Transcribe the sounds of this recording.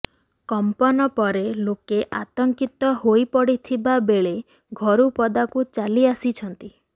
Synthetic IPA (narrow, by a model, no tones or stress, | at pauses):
kɔmpɔnɔpɔɾelokeʔat̪ɔŋkit̪ɔɦojpɔɽit̪ʰibabeɭe | ɡʱɔɾupɔd̪akut͡ʃaliasit͡ʃʰɔnt̪i